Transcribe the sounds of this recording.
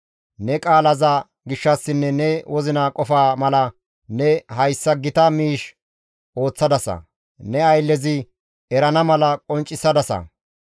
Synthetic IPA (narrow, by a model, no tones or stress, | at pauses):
nɛkʼaːlɐza | ɡɪʃːɐsːɪnːɛnɛwʔɔzɪnaːkʼɔfaːmɐlɐ | nɛɦɐjsːɐɡɪt̪ɐmiːʃ | o̞ːt͡sːɐd̪ɐsɐ̰ | nɛɐjlːɛzɪ | ɛɾɐnɐmɐlɐkʼɔnt͡ʃʼːɪsːɐd̪ɐsɐ̰